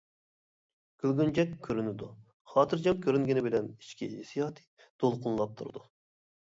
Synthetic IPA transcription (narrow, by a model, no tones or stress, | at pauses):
ɡ̥ʲylɡʲynd͡ʒɛkʲʰːøɾynɪd̪u | χɑːt̪ʰɨɾd͡ʒɑmkʲʰøɾyŋɡʲɪnɪbɪlɛni̥ʃkʲiɦisijɑːt̪ʰi̥j | d̪̥olˠqʊnlˠɑp̚t̪ʰṵɾd̪u